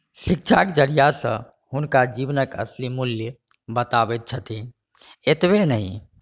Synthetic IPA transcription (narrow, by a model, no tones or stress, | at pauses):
sik̚t͡ʃʰakd͡ʒəɾijasə̰̃ | hunkad͡ʒibnəkə̰slimuljə | bət̪abɛt̪̚t͡ʃʰət̪i | et̪benəɦĩ